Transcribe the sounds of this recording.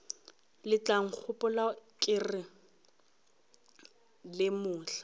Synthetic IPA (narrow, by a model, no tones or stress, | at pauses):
lɪt͡ɬaŋ̩k͡xʰʊpʼʊlakʼɪrɪ | lɪmʊːɬḁ